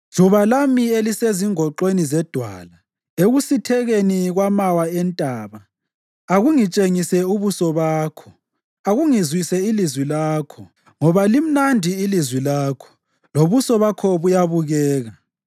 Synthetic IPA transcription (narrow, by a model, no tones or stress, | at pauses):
ʒ̥ʱuβalamieliseziŋɔǃwenizɛd̥ʱwa̰ːla | eɣusitʰɛɣeniɣwamawaɛntʼaːβa | aɣuŋit͡ʃʼeŋisɛuβusɔβaːkʰɔ̥ | aɣuŋizwisɛilizwilaːkʰɔ | ŋɔβalim̩nandʱiːlizwilaːkʰɔ̥ | loβusɔβakʰɔβujaβuɣɛːɣa